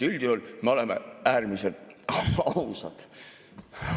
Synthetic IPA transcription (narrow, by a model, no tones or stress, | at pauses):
ylʲd̪̥iolʲmeo̞lemeæːrmiselt̪ɑusɑd̪̥